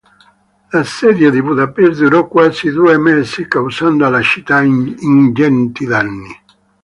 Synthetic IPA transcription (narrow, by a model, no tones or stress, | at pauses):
lasɛd̪jaðibuðapɛsd̪uɾɔkwaːzid̪uemɛsikawsand̪alat͡ʃit̪aind͡ʒɛnt̪id̪anːi